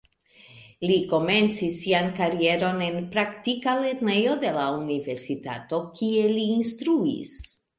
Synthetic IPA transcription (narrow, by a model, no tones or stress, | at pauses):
liko̞me̞nt͡sisːiankaɾie̞ɾo̞ne̞npɾaktikale̞ɾne̞jo̞de̞launive̞ɾsitato̞kie̞liːnstɾuḭs